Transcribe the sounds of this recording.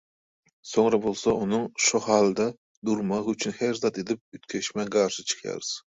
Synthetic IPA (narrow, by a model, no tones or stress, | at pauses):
soŋɾɑbolˠsɑʔunɨŋʃuhɑːlˠɨd̪ɑ | d̪uɾmɑʁyt͡ʃʰynhæɾzɑt̪ed̪ɪp̚yt̪kʲʰɛʃmɛɡɑɾʃɪt͡ʃʰɨ̥χjɑ̰ɾɨz̥